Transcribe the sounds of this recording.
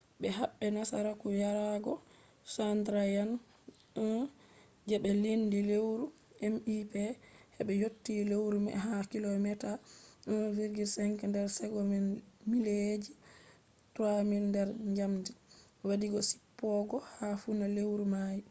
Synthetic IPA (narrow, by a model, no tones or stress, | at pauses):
ɓɛɦaɓːɛnasa̰ɾakujaɾaɡɔ | sandɾajanː | d͡ʒɛɓɛlindilewɾu | ʔɛmipɛhɛɓɛjotːilewɾumɛ̰ɦakilɔmɛta | viɾɡisɛŋkɛndɛɾsɛɡɔmɛmiled͡ʒi | tuamindɛɾɲd͡ʒamdi | wadiɡɔsi̥pːɔɡɔhafunalewɾumaji